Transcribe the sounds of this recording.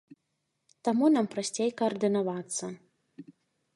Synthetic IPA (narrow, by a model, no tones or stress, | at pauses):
t̪amunampɾasʲt͡sʲejkɐɐrd̪ɨnavat̪sːɐ